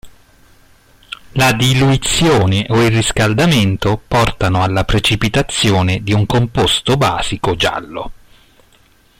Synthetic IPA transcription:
lad̪iluit̪sːjoːneʔoilriskald̪ament̪opɔrt̪anoalːapɾet͡ʃipit̪at̪sːjoːned̪iuŋkompost̪oba̰ːz̥ikod͡ʒa̰lːo̰

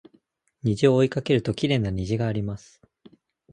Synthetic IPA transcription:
ɲ̟iʑio̞ːikake̞ɾɯ̟t̪o̞kʲiɾe̞ːnaɲ̟iʑiɡaːɾʲimasɨ̥

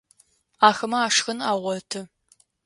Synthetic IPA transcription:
aːxɐmɐaːʂxɐnaːʁʷɔtʰɨ

